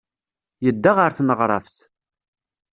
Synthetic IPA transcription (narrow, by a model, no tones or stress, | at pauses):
jəd̪ːaʁəɾθnəʁɾˤɑ̰fθ